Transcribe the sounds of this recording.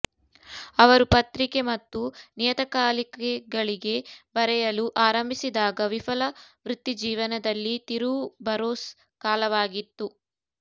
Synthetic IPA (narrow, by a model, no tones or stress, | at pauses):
ɐʋɐɾupɐt̪ɾike̞mɐt̪ːunijɐt̪ɐkaːlikeɡɐɭiɡe̞bɐɾɛjɐluʔaːɾɐmbʱisid̪aːɡɐʋifʰɐlɐʋɾut̪ːid͡ʒiːʋɐnɐd̪ɐlːit̪iɾubɐɾoːs | kaːlɐʋaːɡit̪ːu